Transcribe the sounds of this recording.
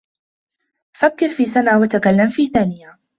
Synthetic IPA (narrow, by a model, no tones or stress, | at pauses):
fakːɪɾfiːsanaːwat̪akalːamfiːθaːnɪja